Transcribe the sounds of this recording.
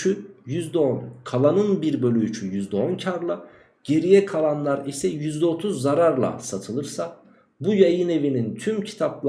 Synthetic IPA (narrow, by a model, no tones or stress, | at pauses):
yjyzd̪ɛonkʰalˠanɯnbiɾbølʲyt͡ʃʰyjyzd̪ɛo̞ncʰaɾlˠa | ɟ̥e̞ɾijɛkʰalˠanlˠaɾisɛjyzd̪ɛo̞t̪ʰuzːaɾaɾlˠa̰sat̪ʰɯlˠɯɾsa | bujajɯne̞vinint̪ʰymcʰi̥t̪ʰaplˠ